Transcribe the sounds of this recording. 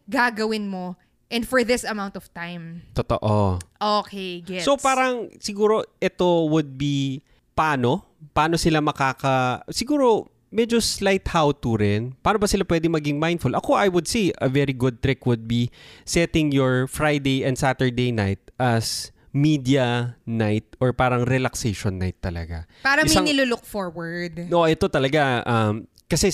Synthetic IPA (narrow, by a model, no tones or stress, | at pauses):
ɡaːɡɐwɪnmo | ʔɛ̃nd̪fɔɹðɪsɐmãwnt̪ɔv̥t̪ãjmt̪ot̪o̰ʔoʔokeɡɛopaːɾɐŋsɪɡuːɾo̞ʔɛt̪o̞wʊd̪̚bi | paːno̞ | pɐʔaːno̞sɪlamɐkaːkɐsɪɡuːɾo̞ | mɛd͡ʒoslajt̪hawt̪uɾɛnpaːnobɐsɪlapwɛd̪ɪŋmɐɡɪŋmaj̃nd̪fʊlʔɐko̞ajwʊd̪̚siʔɐvɛɾiɡʊd̪̚t̪ɾɪkwʊd̪̚bisɛt̪ɪ̃ŋjɔɹfɹajd̪ejɐ̃nd̪sat̪ɛɹd̪ejnajt̪̚ʔɐs | miːd̪iɐnajt̪̚ʔɔɹpaːɾɐŋɾɛlɐksejʃonːajt̪ːɐlɐ̰ɡa̰ | paːɾɐɪmsaŋnɪlʊlok̚foɹwɐɹd̪oʔɛt̪o̞t̪ɐlɐɡaʔɐm | kɐsɛ